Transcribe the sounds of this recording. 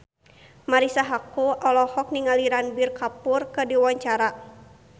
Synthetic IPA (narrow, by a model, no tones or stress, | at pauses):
maɾisaɦakuʔɔlɔhɔk̚niŋaliɾanbirkapurkɨdiwaɲt͡ʃaɾa